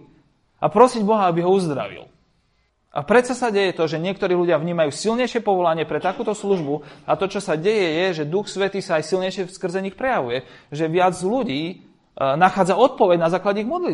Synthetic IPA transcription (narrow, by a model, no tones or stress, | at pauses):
apɾɔsiɟbɔɦaabiɦɔuzd̪ɾa̰ʋḭl | a̰pɾɛt͡sasaɟɛjɛt̪ɔʒɛɲɪɛk̚t̪ɔɾiːɦluɟɪavɲiːmajuːsilɲɛjʃɛpɔʋɔlaɲɪɛpɾɛt̪akuːt̪ɔsluʒbuat̪ɔt͡ʃɔsaɟɛjɛjɛʒɛd̪uxsʋɛt̪iːsaːjsilɲɛjʃɛfskr̩zɛɲixpɾɛjaʋujɛ | ʒɛʋɪad͡zluɟiː | naxaːd͡zaɔt̪̚pɔʋɛɟnazaːklaɟɛiɣmɔd̪li